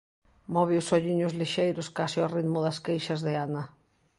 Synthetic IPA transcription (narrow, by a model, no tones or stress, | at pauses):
mɔβɪʊsɔʎiɲʊzliʃejɾʊskasiɔriðmʊðɐskejʃɐzðɪana